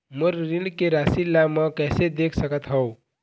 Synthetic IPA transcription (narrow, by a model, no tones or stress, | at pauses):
məɾɾikeɾasilːamʌkɛsed̪ekʰsəkət̪ɦʌw